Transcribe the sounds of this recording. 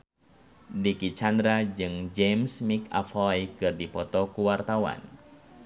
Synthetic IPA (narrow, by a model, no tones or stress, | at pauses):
dikit͡ʃand̪ɾad͡ʒɨŋd͡ʒɛmsmika̰fɔjkɨrdipɔt̪ɔkuwart̪awa̰n